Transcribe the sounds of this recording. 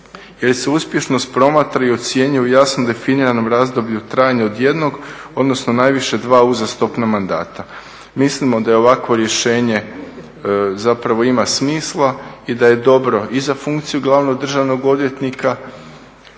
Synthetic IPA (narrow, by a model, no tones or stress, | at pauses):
jelse̞uspje̞ʃno̞st̪pɾo̞mat̪ɾaiot̪sje̞ɲujɛujasnomd̪e̞finiɾano̞mɾaːzd̪o̞bʎut̪ɾaːjaɲao̞d̪je̞d̪no̞ɡo̞d̪no̞sno̞najʋiʃe̞d̪ʋaːuzast̪o̞pnamand̪a̰ːt̪a | mislimo̞d̪ajeo̞ʋakʋo̞ɾje̞ʃe̞ːɲe̞ | zapɾaʋo̞imasmiːslˠaid̪aje̞d̪o̞bɾo̞izafuŋkt̪sijuɡlˠaʋno̞ɡd̪r̩ʒaʋno̞ɡo̞d̪ʋje̞t̪nika